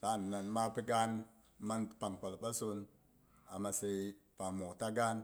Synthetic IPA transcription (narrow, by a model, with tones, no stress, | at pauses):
ta˦˨nː˨a˨nma˦pi˦ɡa˦n | ma˦npa˨ŋk͡pa˨lpa˦su˧n | a˨ma˨se˧jpa˨ŋmo˨ta˦ɡa˦n